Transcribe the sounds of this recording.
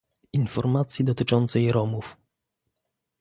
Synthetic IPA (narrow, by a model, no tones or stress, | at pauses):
infɔɾmat̪sʲjid̪ɔt̪ɘt͡ʂɔnt̪sɛjɾɔmuf